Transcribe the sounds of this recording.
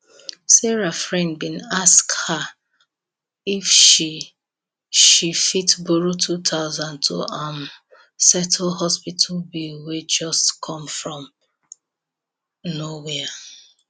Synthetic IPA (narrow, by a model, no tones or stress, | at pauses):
sɛɹafɹɛ̃nkbĩnaskha | ifʃi | ʃifitboɹotʰutʰaʊzãntʰo̰am | sɛtʰlhɔspitʰlbiwed͡ʒɔstkʰɔ̃mfɹɔ̃m | nowea